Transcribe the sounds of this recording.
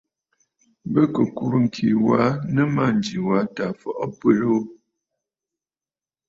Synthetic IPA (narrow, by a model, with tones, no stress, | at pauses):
bə˦kə˨ku˨ɾu˦˨ŋ̩˨kʰi˨wa˨˦nə˦ma˦˨n˨d͡ʒi˨wa˨˦ta˨fɔ˦˨ʔɔ˦pə˦lo˦